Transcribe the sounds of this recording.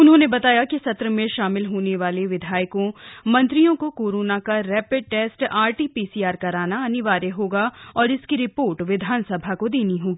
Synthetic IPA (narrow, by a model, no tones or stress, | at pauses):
ʊnɦõːnebɐt̪aːjakisɐt̪ɾəmẽʃaːmɪlɦoːneʋaːleʋɪd̪ʱaːjkõmɐ̃nt̪ɾijõkokoːɾoːnakaɾɛːpɪɖ̚ʈɛːsʈaːɾʈipiːsiaːɾkɐɾaːnaɐnɪʋaːɾeɦoːɡaɔːɾɪskiɾɪpoːɾʈʋɪd̪ʱaːnsɐbʱakod̪eːniɦoːɡiː